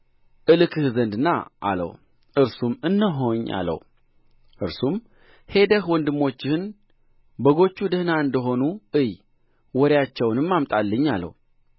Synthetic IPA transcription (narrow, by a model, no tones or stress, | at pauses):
ʔɨlɨkʰɨhzənd̪ɨnːa̰ʔa̰lə̰w | ʔɨɾsumɨnːəɦo̞ɲːa̰lə̰w | ʔɨɾsum | he̞d̪əhwɔnd̪ɨmːo̞t͡ʃːɪhɨn | bəɡo̞t͡ʃːud̪əhnaɨnd̪əɦo̞nuʔɨj | wɔɾjat͡ʃːɛwnɨmːamt̪ʼalːɨɲːalːə̰w